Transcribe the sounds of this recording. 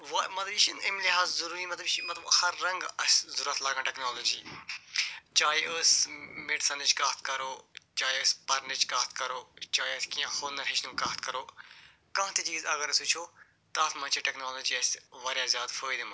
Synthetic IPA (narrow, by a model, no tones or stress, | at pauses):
ʋamɐt̪ləbʃʰinɪmlɪɦaːzzɐɾuːɾiːmɐt̪ləbt͡ʃimɐt̪ləbhɐɾːɐ̃ŋɡɐszʊɾət̪ʰlaːɡãːʈɛknaːloːd͡ʒiː | t͡ʃaːjəːsmɪɖsɐnɪt͡ʃkaːt̪̚kɐɾoːt͡ʃaːiəspɐɾnet͡ʃkaːt̪̚kɐɾoːt͡ʃaːiəskijãːhoːnɐɾɦɪʃnũːkaːt̪kɐɾoː | kãːɦt̪et͡ʃiːzɐɡəɾɐsʊt͡ʃʰoː | t̪aːt̪mɐt͡ʃʰiʈɛknaːloːd͡ʒiːɐsʋaːɾjãːzʲjaːd̪fʰəːjd̪emɐ